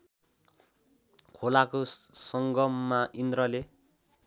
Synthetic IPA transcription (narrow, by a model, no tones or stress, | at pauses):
kʰolakosʌŋɡʌmːaʔind̪rʌle